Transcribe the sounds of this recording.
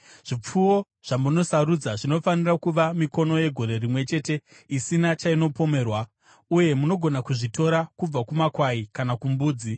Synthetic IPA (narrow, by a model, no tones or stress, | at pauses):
ʐ̥ip͡fuwo̞ | ʐ̥amuno̞saɾud͡zaʐino̞fanirakuʋamiko̞no̞je̞ɡʱo̞ɾe̞rimwe̞t͡ʃe̞ːte̞ | isinat͡ʃaino̞po̞me̞ːrwa | uje̞muno̞ɡʱo̞nakuʐito̞ɾakub͡vakumakwaikanakumbuːd͡zi